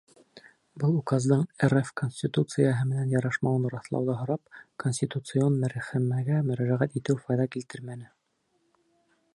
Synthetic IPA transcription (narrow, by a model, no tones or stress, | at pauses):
bɤlˠukɑzd̪ɤɴerefkonʲsʲtʲit̪ut̪sɨjəɦɤmɘ̆nænjɑɾɑʃmɑwɤnɾɑθlˠɑ̰wðɑɦŏɾɑp̚konsʲt̪ʲit̪ut̪sɨonmæɾæχæmæɡæmɵ̆ɾæʒæʁæt̪it̪ɘwfɑjðɑkilt̪ɘɾmænɘ